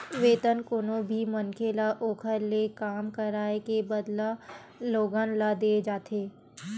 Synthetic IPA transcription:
ʋeːt̪ənkʊnobʱimɐnkʰelaʔoːkʰəɾlekaːmkəɾaːekebəd̪la | loːɡanlad̪eːd͡ʒaːt̪ʰeː

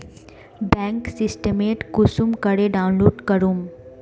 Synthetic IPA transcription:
bɛ̃ːŋksɪsʈəmeːʈkʊsumkəɽeɖaːʊ̃nluːɖkəɾum

